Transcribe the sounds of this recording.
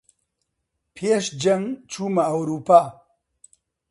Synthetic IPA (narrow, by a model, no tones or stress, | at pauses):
pʰeʃd͡ʒɐŋt͡ʃumaːwɾuːpa